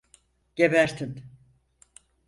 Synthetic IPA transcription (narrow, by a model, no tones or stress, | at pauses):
ɟ̥ebæɾt̪ʰin